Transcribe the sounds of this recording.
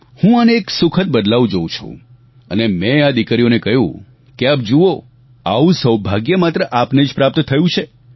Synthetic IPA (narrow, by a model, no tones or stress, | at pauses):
hũaneːksukʰət̪̚bəd̪laʋũd͡ʒoũt͡ʃʰṵ̃ | ə̰nemẽad̪ikɾijonekəɦjṵ̃ | keapd͡ʒuo | a̰ʋũsəwbʱaɡjəmat̪ɾəʔapned͡ʒpɾap̚t̪t̪ʰəjũt͡ʃʰe